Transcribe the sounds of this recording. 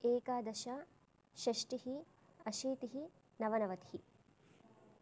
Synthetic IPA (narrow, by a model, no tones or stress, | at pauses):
eːkaːd̪ɐʃa | ʃɐʂʈihi | ɐʃiːt̪iɦi | nɐʋɐnɐʋɐt̪i̥hi